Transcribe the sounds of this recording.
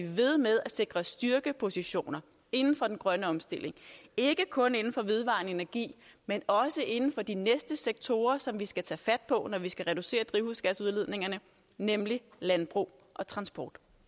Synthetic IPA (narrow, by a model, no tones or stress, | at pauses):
iʋe̝ð̞ˠmeð̞ˠæse̝ɡ̥ʁɐsd̥yɐɡ̥əpʰo̝siɕo̝̰ːnɐ | e̝nn̩fɒ̽d̥en̩ɡ̥ʁɶnəɒ̽msd̥e̝l̰ʔe̝ŋe̝ɡ̥əkʰɔ̽ne̝nn̩fɒ̽ʋe̝ð̞ˠʋɑ̰̈ne̝næɐɡ̥ḭːmenɒ̽səʔe̝nn̩fɒ̽d̥inesd̥əseɡ̥̚t͡sʰo̝ːɐsɒ̽mʋisɡ̥æt͡sʰɛ̰ːfæd̥̚pʰɒ̽nɒʋisɡ̥æʁɛd̥use̝̰ːɐd̥ʁiʊhusɡ̥æsuðˠle̝ð̞̰ˠne̝ŋɐnə | nemlilænb̥ʁṵː | ʔɒ̽t͡sʰʁɑ̈nsb̥ɒ̰ːd̥